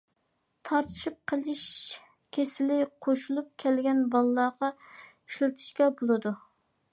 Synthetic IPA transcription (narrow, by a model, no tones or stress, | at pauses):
t̪ʰɑɾt̪ʰɨ̥ʃip̚qʰəlˠɪʃ | kʲʰesɪlɪqʰoʃulˠup̚kʲʰɛlɡʲɛnbɑlˠlːˠɑːʁɑ | iʃlɨt̪ʰɨ̥ʃkʲɛbolˠɨd̪u